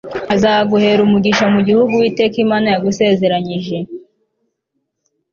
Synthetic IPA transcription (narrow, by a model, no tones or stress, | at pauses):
azaːɡuhe̞ːɾumuɡiʃamuɟihuɡuwiːte̞ːkimaːnajaɡuse̞ːze̞ɾaɲiʒe̞